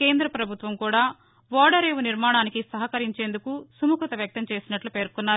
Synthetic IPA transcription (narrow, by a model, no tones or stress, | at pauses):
ke̞ːnd̪ɾɐpɾɐbʱut̪ʋɐmkuːɽaː | ʋɔːɽɐɾeːʋuniɾmaːɳaːnikisɐɦɐkɐɾiɲt͡ʃe̞ːnd̪ukusumukɐt̪ɐʋjɐk̚t̪ɐmt͡ʃe̞ːsinɐʈlupe̞ːɾkunːaːɾu